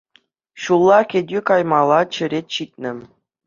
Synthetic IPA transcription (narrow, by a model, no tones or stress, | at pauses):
ɕulˠːɑkʲedʲykɑjmɑlˠɑt͡ɕɘ̆ɾʲetʲɕit̪ʲnʲɘ̆